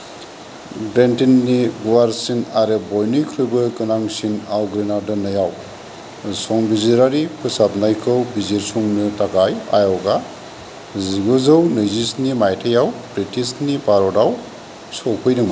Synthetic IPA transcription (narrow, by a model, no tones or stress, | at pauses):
bɾentinːiɡuwaɾsinaɾebɔjnɯjkʰɾɯbɯɡɯnaŋsinawɡɾinaɾdɔnɯjaw | sɔŋbiziɾaɾipʰɯsap̚najkʰɯwbiziɾsɔŋnɯtaɡaja̰jawɡa | ziɡɯzɯwnɯjzisnimajtʰejawbɾitisnipaɾɔdaw | sɔwpʰɯjdɯŋma